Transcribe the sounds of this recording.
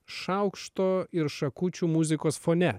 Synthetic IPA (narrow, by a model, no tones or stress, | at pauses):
ʃɐʊkʃt̪oːɪɾʃɐkʊt͡ʃʲuːmʊzʲɪkoːsfonʲɛ